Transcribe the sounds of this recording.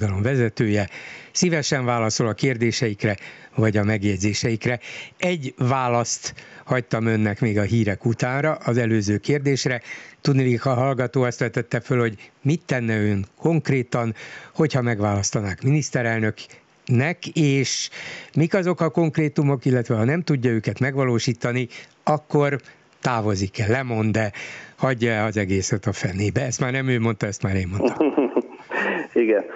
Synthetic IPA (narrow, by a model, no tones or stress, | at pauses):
d̪ɒlo̞mvɛzɛt̪øːjɛsivɛʃɛɱvaːlɒso̞lɒkeːrd̪eːʃɛjikrɛvɒɟɒmɛɡjɛɟzeːʃɛjikrɛɛɟvaːlɒst̪hɒct̪ɒmø̞nːɛkmeːɡɒɦiːɾɛkut̪aːnrɒʔɒzɛløːzøːkeːrd̪eːʃrɛt̪ud̪nilikhɒɦɒlɡɒt̪oːɒst̪ʋɛt̪ɛt̪ːɛfølho̞ɟmit̪ːɛnːɛøŋkʰo̞ŋkreːt̪ɒnho̞chɒmɛɡʋaːlɒst̪ɒnaːkminist̪ɛɾɛlnø̞k | nɛkeːʃmikɒzo̞kɒko̞ŋkreːt̪umo̞kilːɛt̪ʋɛɦɒnɛmt̪uɟːɒøːkɛt̪mɛɡʋɒloːʃiːt̪ɒni | ɒkːor | t̪aːvo̞zikɛlːɛmo̞nd̪ɛhɒɟːɒɛɒzɛɡeːsɛt̪ɒfɛneːbɛɛst̪maːrnɛmøːmo̞nt̪ɒɛst̪maːɾneːmːonɒ | iɡɛn